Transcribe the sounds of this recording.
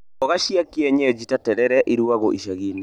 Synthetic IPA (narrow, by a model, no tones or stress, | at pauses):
ɔɣaʃiakiɛɲɛd͡ʒitatɛɾɛɾɛʔiɾuaɣoʔiʃaɣene